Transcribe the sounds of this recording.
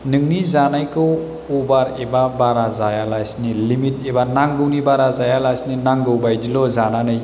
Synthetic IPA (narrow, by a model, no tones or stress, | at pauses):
nɯŋnizanajkɯw | ubaɾebabaɾazajalajsnilimit̚ebanaŋɡɯwnibaɾazajalajsninaŋɡɯwbajdilɔzananɯj